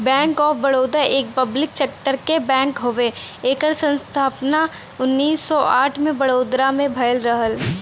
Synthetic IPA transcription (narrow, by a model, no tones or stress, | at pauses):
bɛ̃ːŋkɔːɾbɐɽoːd̪əɾʔeːk̚pəblɪksɛːk̚ʈəɾkebɛ̃ːŋkɦoʋeeːkəɾsə̃nst̪ʰaːpna | ʊnːiːsːɔʔaːʈʰmẽbɐɽoːd̪ɾamẽbʱɐjəlɾəɦəl